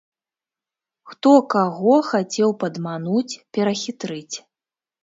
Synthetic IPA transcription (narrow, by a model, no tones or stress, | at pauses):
xt̪ɔkaɣɔxat͡sʲɛwpɐd̪manut͡sʲpʲɛɾɐxʲit̪ɾɨt͡sʲ